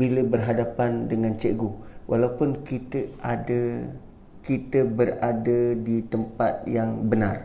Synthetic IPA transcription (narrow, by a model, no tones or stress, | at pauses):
biləbərɦadapandəŋãnt͡ʃeɡowʔalaupʊnkit̪əadə | kit̪əbəradədit̪əmpat̪̚jaŋbənar